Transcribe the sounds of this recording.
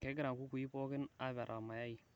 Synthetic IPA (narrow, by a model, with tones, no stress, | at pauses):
kɛ˨˦ɡɪ˦ɾa˨ŋku˦ku˨i˦po˦kɪ˦na˦βa˨ɾʔa˨ma˨ja˦i˨